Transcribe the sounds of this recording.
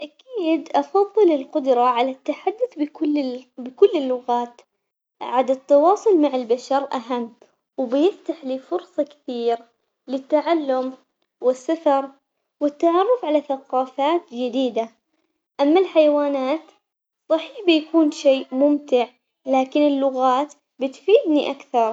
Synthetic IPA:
ʔakiːd̪ʔɑfɑðˤːɨlɪlqʊd̪ɾˤɑʕalat̪ːaħad̪ːʊθbʊbɪkʊlːɪlːʊɣaːt̪ | ʕad̪ɪt̪ːɑwɑːsˤʊlmaʕɪlbaʃɑɾʔaɦamː | wbɪjɪft̪aħliːfʊɾsˤɑkɪ̥θiːɾ | lɪt̪ːaʕalːʊm | wɪsːafɑɾˤ | wɪt̪ːaʕɑrˤːʊfʕalaθaqɑːfaːt̪d͡ʒɪd̪iːd̪a | ʔamːalħajawaːnaːt̪ | sˤɑħiːħbɪjakuːnʃeːʔmʊmt̪ɪʕ | laːkɪnɪlːʊɣaːt̪ | bɪt̪fiːd̪niʔakθɑɾˤ

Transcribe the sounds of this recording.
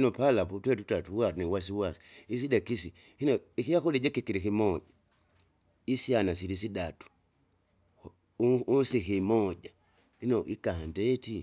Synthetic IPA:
inɔpalaputwɛtutatuwaniwas̬iwasi̥is̬idɛkisi | hinɔikijakɔlid͡ʒɛkikiɾikimɔd͡ʒa | isianasiɾis̬iɗatu̥ | unsikimɔd͡ʒa | hinɔʔikahandɛti

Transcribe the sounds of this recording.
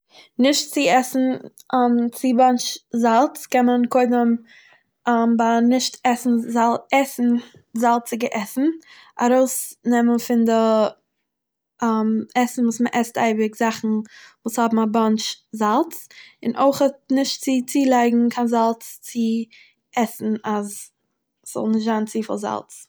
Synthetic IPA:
nɪʃtt͡sɪɛsn̩ | mt͡sɪbant͡ʃzalˠt͡skɛnmənkoɪdəm | mbanɪʃtɛsn̩zalˠɛsn̩ | zalˠt͡sɪɡəʔɛsn̩ | a̰ɾoʊsnɛmənfɪndɪ | amɛsn̩vuːsməʔɛsta̰ɪbɪkzaχn̩vuːshɔbm̩abant͡ʃzalˠt͡sɪnʔoɪχət̚nɪʃtt͡sɪt͡siːlˠaɪɡŋ̩kʰanzalˠt͡st͡sɪ | ɛsn̩az | sz̥ɔ̰lˠnɪʃtz̥aːnt͡siːfɪ̰lˠza̰lˠt͡s

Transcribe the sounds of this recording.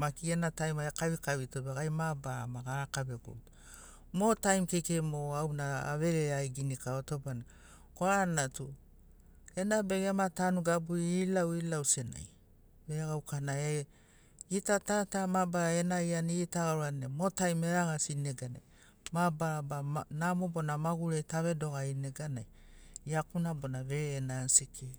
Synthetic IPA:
makienatajmaakaβikaβitobeɡajmabamaɡakabe̞ɡo̰t | motajmkejkemoawnaa̰βe̞ɾeajɡinikaotobana | koanatu | e̞nabeɡematanuɡabuiilawilawsena̰j | beaɡawkanae | itatatamabaɾaenaianitaɡaɾuanemotajmeɾaɡasineɡana̰j | mabaɾabanamobo̞namaɡuɾetaβe̞do̞ɡaineɡanaj | iakunabo̞naβeɾeːnansikʰe

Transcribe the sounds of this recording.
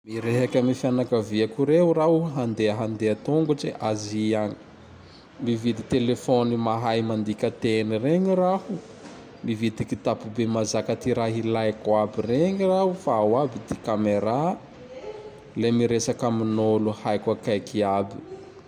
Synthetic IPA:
miɾeɦakʲamifjanakaviakuɾeɦuraɦuɦand̪eaɦand̪eat̪oŋɡut͡ʃeʔaziaɲi̥ | mivid̪it̪elefonimaɦajmand̪ikʲət̪enireŋirahu | mivid̪ikit̪apubemazakat̪iɾaɦilajkwabireŋirahufaːwabid̪ekameɾa | lemiɾesakaminoluhajkwakajkiabi̥

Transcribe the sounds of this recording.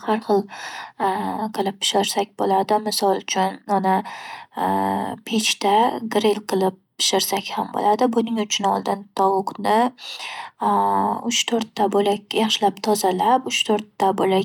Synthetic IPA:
haɾχɨlˠ | qʰɨlˠɪp̚ʰːɪ̥ʃɪɾsakʲbolad̪ɪmɪsɒlˠt͡ʃʰʊnɒna | pʰet͡ʃt̪aɡɾelˠqʰɨlˠɪp̚pːɪ̥ʃɪɾsakʲhambo̰lad̪ɪbʊnɪŋʊt͡ʃʰʊnɒ̰lˠd̪ɪnt̪ʰɒwʊqnɪ | ʊt͡ʃt̪ʰoɾt̪ʰːabolakʲjɑχʃɪlapt̪ʰɒzalapʊt͡ʃt̪ʰoɾt̪ːabola

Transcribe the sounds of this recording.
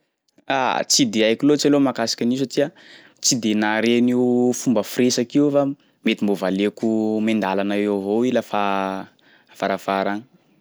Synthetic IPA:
a̰t͡sid̪eajkilot͡salomakasḁkʲaniusatia | t͡sid̪enaɾeniufumbəfresakiufa | met̪imbovalekumend̪alanaeɦoilafa | faɾafaɾani̥

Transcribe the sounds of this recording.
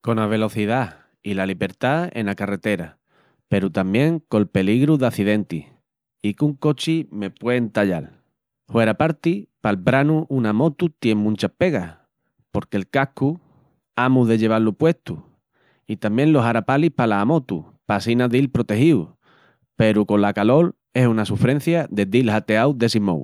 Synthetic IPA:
ko̞naβ̞e̞lo̞θiða | ilaliβe̞ɾt̪ae̞̰nakare̞t̪e̞ɾa | pe̞ɾut̪ambje̞ŋko̞lpe̞liɣɾuðaθiðe̞nt̪i | ikuŋko̞t͡ʃime̞pwe̞nt̪aʎa̰l | hwe̞ɾapaɾt̪ipalbɾanuʔunamo̞t̪ut̪je̞ŋmũnt͡ʃahpe̞ɣah | po̞ɾkelkaku | amuðe̞ʎe̞β̞alupwe̞ht̪u | it̪ambjẽ̞nlo̞ɦaɾapalihpalaːmo̞t̪u | pasinaðilpɾo̞t̪e̞hiw | pe̞ɾuko̞lakalo̞l | e̞sunasufɾẽ̞n̟θjaðe̞d̪ilhat̪e̞awd̪e̞simo̰w

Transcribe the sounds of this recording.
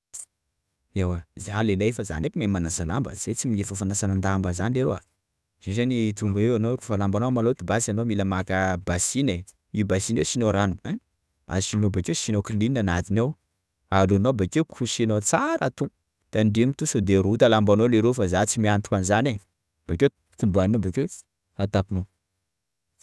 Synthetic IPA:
ewazealelaefəza̰nekimamanazala̰mbə̰z̥et͡simiefəfanasanand̪ambəzanileɾoa̰ | z̥ezanit̪umbaewanoɾufalambanomalot̪ibasanomiləmakəbasine | iubasinewsinoɾanu | a̰sinobakesinokilinanat̪inew | alunobakewkʰusinot͡saɾat̪u | t̪anɖ͡ʐemit̪usud̪eɾut̪alambanoleɾofazat͡simiant̪u̥kanzane | b̥ake | t̪ubuaninobeke | at̪apino

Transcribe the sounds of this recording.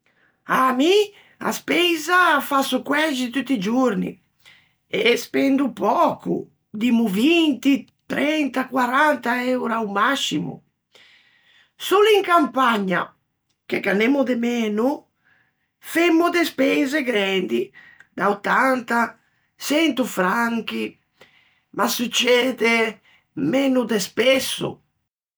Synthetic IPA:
ami | a̰spezafasukwɛd͡ʒit̪ut̪ːid͡ʒuɾnḭ | espɛnd̪upɔkṵ | d̪imuvint̪it̪ɾɛnt̪akwaɾant̪aɛwɾawmasimṵ | soliŋkampaɲːa̰ | k̟eɡanemud̪emeːnu | femːud̪espɛzeɡɾɛnd̪i | d̪aot̪ːant̪a | sɛnt̪ufɾaŋk̟i | masut͡ʃːɛːd̪e | menud̪espɛsːṵ

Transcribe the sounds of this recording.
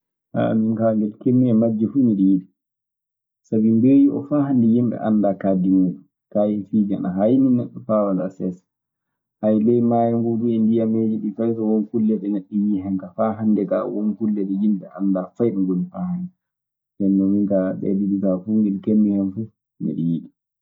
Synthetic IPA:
ʔa̰minkaŋɡɛlkemːihɛmad͡ʒːɛfumiɗijiɗi | sabimdeːjiʔɔ̰faːhandɛjimɓɛ̰ʔanːdaːkadimuɗu | kajɛfiːd͡ʒanaɦajminːɛɗːɔfawandasɛsḁ | hajlɛjmaːjɛŋɡuduɛndijamed͡ʒiɗifajtawɔnkulːɛɗɛnaɗːijiɦɛŋkafaɦandɛkawɔnkulːɛɗɛjimɓɛ̰ʔa̰ndafajɗɛŋɡonifaːhɛn | ŋɡɛnːɔmiŋkaɓɛ̰diɗikafuŋɡɛlkemːihɛnfu | mḭɗḭjiɗi

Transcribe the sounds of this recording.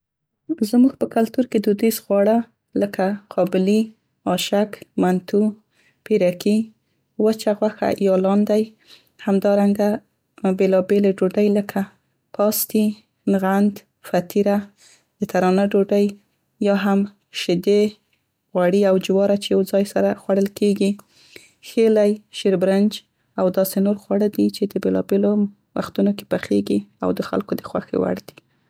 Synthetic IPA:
zmuɡ̚pəkalt̪uɾked̪ud̪isɣwɑɽa | ləkaqʰɑbɪli | ɑʃakmant̪u | piɾaki | wət͡ʃaɣwaxa̰jɑlɑnd̪aj | hamd̪ɑɾaŋɡa | belɑbeleɖoɖajləkʰa | pɑst̪i | nɣand̪ | fat̪iɾa | d̪̥ət̪aɾɑnaɖoɖaj | jɑɦam | ʃɪd̪e | ɣwaɽiawd͡ʒɪwɑɾat͡ʃejawd͡zɑjsaɾaxwaɽəlkeɡi | xelajʃeɾbɾand͡ʒ | awd̪ɑsenoɾxwaɽəd̪it͡ʃed̪əbelɑbelo | wa̰xt̪unoke̥paxeɡia̰wd̪əxa̰lkod̪əxwa̰xḛwa̰ɽd̪̥i̥

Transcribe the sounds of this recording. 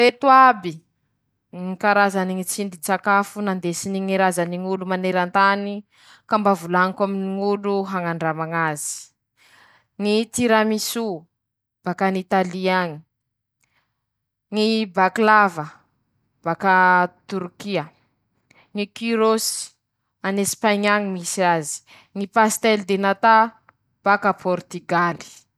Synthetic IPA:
ɾet̪uabi | ŋikaɾazaniŋit͡sind̪it͡sakafunand̪esiniŋiɾazaniŋulumaneɾant̪ani | kambavulaŋikaminiŋuluɦaŋaɳɖ͡ʐamaŋazi̥ | ŋit̪iɾamisu | b̥akanit̪aliaɲi | ŋibaklavə | b̥akat̪uɾkiə | ŋikiɾosi̥ | anespaɲaŋimisiazi̥ | ŋipast̪ɛld̪enat̪a | b̥akapʰɔɾt̪iɡali̥

